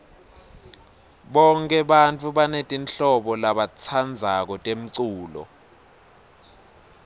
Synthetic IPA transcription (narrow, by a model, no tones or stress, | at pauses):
ɓɔŋkʼɛɓant͡fʰʼuɓanetʼinɬɔɓɔlaɓat͡sʰand͡zʱak̬ɔtʼem̩ǀuːlɔ̰